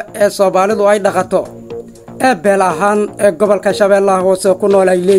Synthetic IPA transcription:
ɛːsɔːmaːlɪðʊɛjɖɑqɑt̪ʰɔ | ʔɛːbɛːlɐɦaːnɛːɡɔβɔlkʰɐʃɐβɛːlːɐɦɔːsɛkʰʊnɔːlɛjlɛː

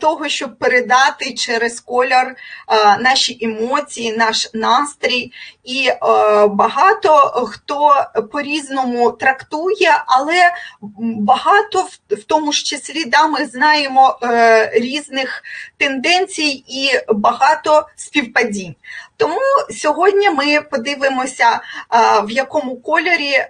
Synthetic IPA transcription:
t̪ɔɦɔʃt͡ʃɔb̚peɾed̪ɑt̪ɪt͡ʃɛɾeskɔlʲɐrnɑʃiʔemɔt͡sʲijinɑʃnɑst̪ɾʲiji | bɐɦɑt̪ɔxt̪ɔpɔɾʲiznɔmʊt̪ɾɐkt̪ujɛʔɐlˠɛ | bɐɦɑt̪ɔwt̪ɔmʊʂt͡ʃesʲlʲid̪ɑmɪznɑjemɔ | ɾʲiznɪxt̪end̪ɛnʲt͡sʲijibɐɦɑt̪ɔsʲpʲiwpɐdʲinʲt̪ɔmusʲɔɦɔdʲnʲɐmɪpɔd̪ɪʋɪmɔsʲɐ | wjɐkɔmʊkɔlʲɔɾʲi

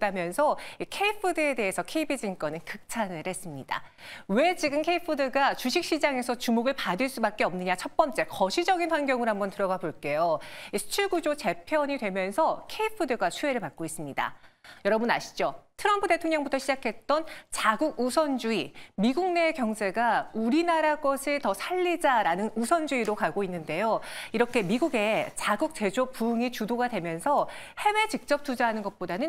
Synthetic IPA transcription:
t͈amjʌnsʰʌikʰeipʰɯdɯe̞de̞ɦesʰʌkʰe̞ibid͡ʑink͈ʌnɯnkɯk̚t͡ɕʰanɯɭhe̞s͈ɯmɲid̥a̰ | we̞t͡ɕiɡɯmkʰe̞ipʰɯdɯɡat͡ɕuɕʰik̚ɕ͈id͡ʑaŋe̞sʰʌt͡ɕumoɡɯɭpadɯɭs͈ubak͈̚eʌmnɯɲat͡ɕʰʌt̚p͈ʌnt͡ɕ͈e̞kʌɕʰid͡ʑʌɡinɸwanɡjʌŋɯɾɦambʌntɯɾʌɡaboɭk͈e̞joisʰu̥t͡ɕʰuɭɡud͡ʑot͡ɕe̞pʰjʌɲidwe̞mjʌnsʰʌkʰe̞ipʰɯdɯɡwat͡ɕʰue̞ɾɯɭpak̚k͈ois͈ɯmɲida̰jʌɾʌbunaɕʰi̥d͡ʑotʰɯɾʌmpʰude̞tʰoŋɲʌŋbutʰʌɕʰid͡ʑakʰe̞t̚t͈ʌnt͡ɕaɡuɡ̚usʰʌnd͡ʑuimiɡuŋne̞kjʌŋsʰe̞ɡauɾinaɾaɡʌsʰɯɭtʌsʰaʎːid͡ʑaɾanɯnusʰʌnd͡ʑuiɾokaɡoinːɯnde̞joiɾʌkʰe̞miɡuɡe̞t͡ɕaɡuk̚t͡ɕ͈e̞d͡ʑopuɯŋit͡ɕudoɡadwe̞mjʌnsʰʌ | he̞we̞t͡ɕik̚t͡ɕ͈ʌp̚t͈ud͡ʑaɦanɯnɡʌt̚p͈odanɯn

